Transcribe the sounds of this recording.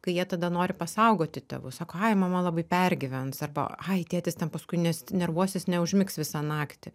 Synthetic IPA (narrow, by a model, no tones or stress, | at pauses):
kɐɪjiɛt̪ɐd̪ɐnoːɾʲɪpɐsɐʊɡoːt̪ʲɪt̪ʲɛ̰ʋʊsɑːkoːɐɪmɐmɐlˠɐbɐɪpʲɛrʲɡʲɪʋʲɛnsɐrbɐ̰ɐɪt̪ʲeːt̪ʲɪst̪ʲɛnpɐskʊɪnʲɛsnʲɛɾʋuɔsʲɪsnʲɛʊʒʲmʲɪksʋʲɪsɑnɑːkt̪ʲɪ